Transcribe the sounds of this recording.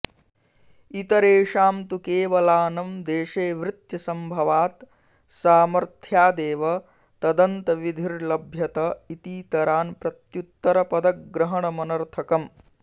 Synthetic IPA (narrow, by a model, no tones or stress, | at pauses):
it̪ɐɾeːʃaːmt̪ukeːʋɐlaːnɐmd̪eːʃeːʋɾɪt̪jɐsɐmbʱɐʋaːt̪ | saːmɐɾt̪ʰjaːd̪eːʋɐ | t̪ɐd̪ɐnt̪ɐʋid̪ʱiɾlɐbʱjɐt̪ɐit̪iːt̪ɐɾaːnpɾɐt̪jut̪ːɐɾɐpɐd̪ɐk̚ɡɾɐɦɐɳɐmɐnɐɾt̪ʰɐkɐm